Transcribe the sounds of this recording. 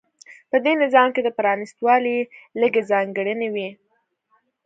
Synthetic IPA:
pəd̪enɪzɑmked̪əpɾɑnɪst̪wɑliləɡezɑŋɡəɽənewi

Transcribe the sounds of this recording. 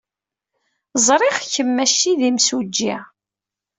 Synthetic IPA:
zˤɾˤɪχçəmːæʃːiðimsud͡ʒːi

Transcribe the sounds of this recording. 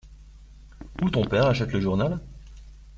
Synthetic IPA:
ut̪ɔ̃pɛʁaʃɛt̪ləʒuʁnal

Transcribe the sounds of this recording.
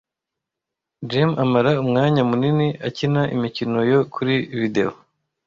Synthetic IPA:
d͡ʒemamaɾaumŋaːɲamuniniʔacinaʔḭmicino̞jo̞kuɾiβide̞̰o

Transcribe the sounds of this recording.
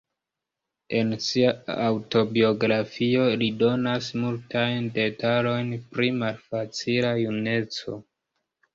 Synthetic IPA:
e̞nsiaawto̞bio̞ɡɾafio̞lido̞nasmultajnde̞talo̞jnpɾimalfat͡silajune̞t͡so̞̰

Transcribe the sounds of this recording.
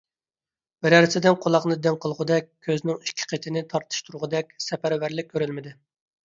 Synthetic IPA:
bɪɾæɾsɪd̪ɪnqʰolˠɑqnɨd̪ɪŋqʰəlˠʁʊd̪ɛkʲʰːøznɪŋiʃkʲʰːɪ̥qʰet̪ʰɪnɪt̪ʰɑɾt̪ʰɨ̥ʃt̪ʰuɾʁʊd̪ɛkʲsɛpæɾvæɾlɪk̚ʲʰːøɾylmɪd̪ɪ

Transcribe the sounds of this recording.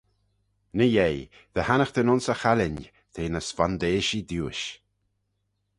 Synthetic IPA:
nəjej | ð̥əhanəxd̪ənʊnsəxalɪnʲ | t̪ʰeːnəsfand̪eːʃid̪juːʃ

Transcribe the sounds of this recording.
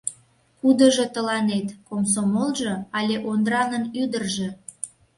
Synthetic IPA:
kud̪ə̆ʒot̪əlɑnet̪koms̬omolʒɤ̆ɑlʲeʔond̪ɾɑnənyd̪ərʒe

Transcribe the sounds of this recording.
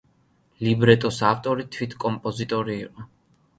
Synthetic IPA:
libɾɛt̪ʼɔsaft̪ʼɔɾit̪ʰwit̪ʰkʼɔmpʼɔzit̪ʼɔɾiːqʼɔ

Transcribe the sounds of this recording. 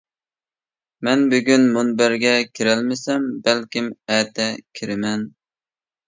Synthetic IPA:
mɛnbyɡʲynmunbæɾɡʲɛkʲʰiɾɛlmɪsɛmbælkʲimɛːt̪ɛkʲʰiɾɪmɛn

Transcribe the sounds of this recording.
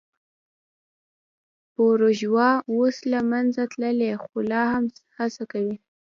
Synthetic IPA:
poɾoʒwɑwoslamanzat̪ləlexolɑhamhasakawi

